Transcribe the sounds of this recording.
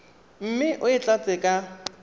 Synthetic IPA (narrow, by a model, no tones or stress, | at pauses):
m̩mɪʔʊɪt͡ɬʼat͡sʼɪkʼa